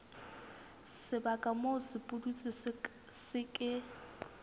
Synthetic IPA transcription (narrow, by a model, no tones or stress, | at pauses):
sɪbakʼamoʊsɪpʼʊdut͡sʼɪ | sɪkʼɪ